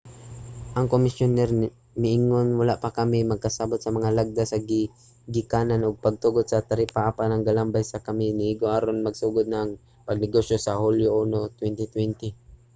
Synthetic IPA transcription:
ʔɐŋkomɪsjonɛɾ | mɪʔɪŋonwalaʔpakɐmɪmɐɡ̚kasabʊt̪sɐmɐŋalaɡ̚d̪asɐɡɪ | ɡɪkaːnanʔʊɡ̚pɐɡ̚t̪uɡʊd̪̚sɐt̪ɐɾipaʔapanɐŋɡalambajsakɐmɪnɪiɡoʔaɾonmɐɡsuːɡʊd̪̚naŋ | pɐɡ̚nɪɡoʃjosɐhuljoʔunot̪wɛnt̪ɪt̪wɛnt̪ɪ

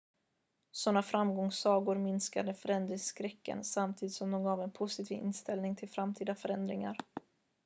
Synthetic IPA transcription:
sɔnːafɾamɡɔŋsɑːɡʊɾmɪnskad̪əfœɾɛnd̪ɾɪŋskɾɛkːə̰nsamt̪ʰiːd̪ɪt̪sɔmd̪ɔmɡɑːvɛnpʰʊsɪt̪ʰiːvɪ̰nst̪ɛlnɪŋt̪ʰɪlfɾamt̪ʰiːd̪afœɾɛnd̪ɾɪŋa̰ɾ

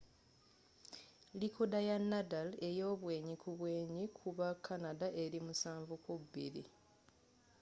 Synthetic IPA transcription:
likodajanːadale̞jo̞ːβwe̞ːɲikʰuβwe̞ːɲikʰuβakʰːanadaʔe̞ɾimusaːɱvukubḭɾḭ

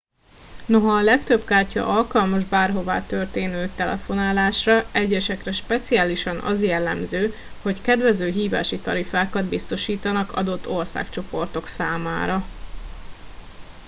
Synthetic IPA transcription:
no̞ɦɒːlɛkt̪ø̞bkaːrcɒ̰ʔɒlkɒlmɒʒbaːrɦo̞va̰ːt̪ørt̪eːnøːt̪ɛlɛ̰fo̞naːlaːʃrɒɛɟːɛʃɛkrɛʃpɛt̪siaːliʃɒnʔɒ̰zjɛlːɛmzøː | ho̞ckɛd̪vɛzøːɦiːva̰ːʃit̪ɒɾifaːkɒd̪bist̪o̞ʃiːt̪ɒnɒkɒ̰d̪o̞t̪ːorsa̰ːkt͡ʃo̞po̞rt̪o̞ksaːma̰ːɾɒ

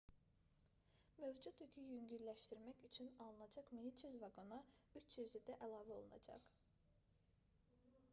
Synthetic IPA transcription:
mø̞vd͡ʒut̪ycʰyjyɲɟyɾlæʃt̪iɾmæcyt͡ʃʰynɑlˠɯnɑd͡ʒɑqminit͡ʃʰyzvɑɡonɑyt͡ʃʰjyzyd̪æʔælˠɑːvɛo̞̰lˠunɑ̰d͡ʒɑ̰q

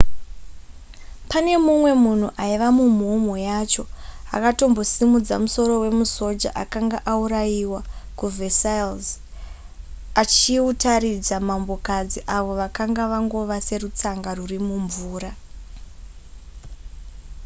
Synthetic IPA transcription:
pane̞mumwe̞mun̤uʔaiʋamum̤omo̞jat͡ʃo̞a̰kato̞mbo̞simud͡za̰muso̞ɾo̞we̞muso̞d͡ʒa̰ʔakaŋɡaʔauɾajiwakuvesailz | at͡ʃiutaɾid͡zamambo̞kad͡ziʔaʋo̞ʋakaŋɡaʋaŋɡo̞ʋase̞rut͡saŋɡarurimuɱvuːɾa

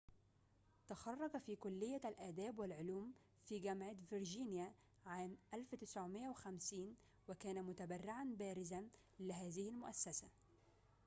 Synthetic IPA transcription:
t̪axɑrˤːɑɡfiːkʊlːɪjːalʔaːd̪aːbwɪlʕʊluːm | fiːɡamʕat̪vɪɾd͡ʒiːnɪja | ʕaːmʔalft̪ɪ̥sʕʊmɪʔːawɪxamsiːn | wɪkæːnamʊt̪abarːɪʕanbæːɾɪzan | lɪɦaːðɪhɪlmʊʔasːasa

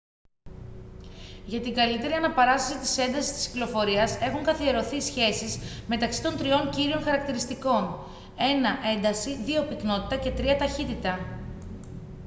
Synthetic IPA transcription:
ʝɐt̪iŋɡɐlit̪e̞ɾiɐnɐpɐɾɐst̪ɐsit̪ise̞nd̪ɐsi̥st̪i̥sccilo̞fo̞ɾiɐse̞xuŋkɐθie̞ɾo̞θiːsçe̞sizme̞t̪ɐksi̥t̪o̞nt̪ɾio̞ɲciɾio̞nxɐɾɐk̚t̪iɾist̪iko̞n | e̞nɐʔe̞nd̪ɐsiðio̞pikno̞t̪i̥t̪ɐce̞t̪ɾiɐt̪ɐçit̪it̪ɐ

